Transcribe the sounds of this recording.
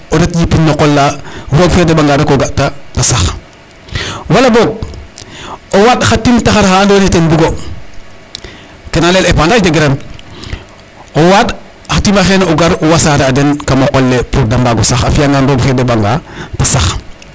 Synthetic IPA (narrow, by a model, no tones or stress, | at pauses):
odetd͡ʒipinːoqolːafoːɡfedebaŋɡaːdakoɡatatasax | walaboɡ̚ | owaɗxatːimtaxaɾxaːndonetenbiɡo | kenalelepandad͡ʒeɡeɾem | owaɗ | xatimaxeːnuɡaɾuwasaɾeadenkamaqolːepuɾdambaɡosaxafijaŋɡanboɡfedebaŋɡatasax